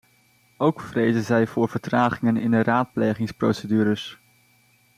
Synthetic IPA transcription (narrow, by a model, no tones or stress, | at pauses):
owkfrejzənzɛjvʊːɹv̥əɹtraːχɪŋənɪndəraːt̚plejχɪŋspro̰wsədyːɾəs